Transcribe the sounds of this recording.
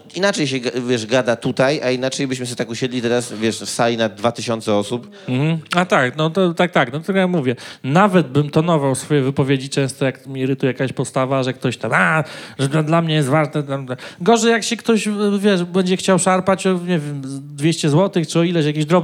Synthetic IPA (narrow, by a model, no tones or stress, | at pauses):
inat͡ʂɛjɕɛɡavʲjɛʂɡad̪at̪ut̪ajainat͡ʂɛjbɘɕmɘɕ̬ɛt̪akuɕɛd̪lʲit̪ɛɾasvʲjɛʂfsalʲinad̪vat̪ɘɕɔnt̪sɛɔsup | m̩hm̩at̪aknɔt̪ɔt̪ak̚t̪aknɔt̪ɘlkɔjamuvʲjɛnavɛd̪̚bɘmt̪ɔnɔvawsfɔjɛvɘpɔvʲjed͡ʑit͡ʂɛ̃w̃st̪ɔjakmʲiɾɘt̪ujakaɕpɔst̪avaʐɛk̚t̪ɔɕt̪amaʐɛad̪lamɲɛjɛst̪vaʐnɛt̪amt̪akɡɔʐɛjakɕɛkt̪ɔɕvʲjɛʂbɛɲd͡ʑɛxt͡ɕawʂaɾpat͡ɕɔɲevʲjɛmd̪vʲjeɕt͡ɕɛzwɔt̪ɘxt͡ʂɨɔilɛɕjak̬ʲeʑd̪ɾɔb